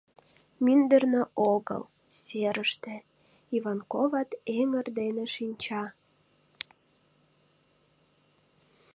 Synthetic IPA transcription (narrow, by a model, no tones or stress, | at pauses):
mynd̪ərnøoɣə̰l | seɾəʃt̪ĕ | ivɑnkovɑt̪emərd̪eneʃinʲt͡ɕɑ